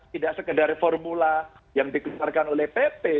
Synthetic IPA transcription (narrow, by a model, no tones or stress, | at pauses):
t̪idaʔsəkədaɾifɔrmula | jaŋdikuarkanolɛhpepe